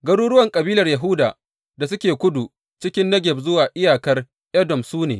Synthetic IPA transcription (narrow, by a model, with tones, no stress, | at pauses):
ɡɐ˦ɽuː˦ɾʊ˦wɐ˦˨ŋkʼɐ˨biː˦lɐ˨rjɐ˨ɦʊ˦daː˨ | da˨s̬ʊ˦kʲeː˨kʷʊ˦du˨ | t͡ʃɪ˦kʲɪ˦nːɐ˦ɡʲɪ˨b̚zʊ˦waː˨ʔɪ˦jaː˨kɐ˦r | ʔɛ˦dɔ˨msuː˦nḛː˨